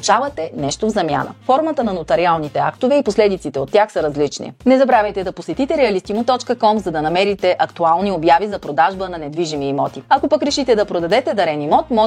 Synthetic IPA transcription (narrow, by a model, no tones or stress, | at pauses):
t͡ʃavɐt̪ɛnɛʃt̪ovzɐmʲja̰nə̰fɔɾmət̪ənɐnot̪ɐɾialˠnit̪ɛakt̪ovɛiposlɛd̪it̪sit̪ɛot̪ːjaxsɐɾɐzlit͡ʃnḭnɛzɐbɾavʲɛjt̪ɛd̪ɐposɛt̪it̪ɛɾɛɐlist̪imʊt̪ɔt͡ʃkəkɔmzɐd̪ɐnɐmɛɾit̪ɛʔɐkt̪ualˠniobjavizɐpɾod̪aʒbənɐnɛd̪viʒimiːmɔt̪iɐkopɐkɾɛʃit̪ɛd̪ɐpɾod̪ɐd̪ɛt̪ɛd̪ɐɾɛnimɔt̪mɔ